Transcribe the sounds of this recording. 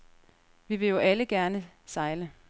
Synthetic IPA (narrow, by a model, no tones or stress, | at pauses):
ʋiʋe̝jo̝ʔæləɡ̥æɐnəsɑ̈ɪlə